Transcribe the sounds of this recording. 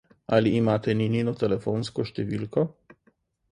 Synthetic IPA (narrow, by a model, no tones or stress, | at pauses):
aliʔːmat̪enininot̪ɛlefonskoʃt̪evilko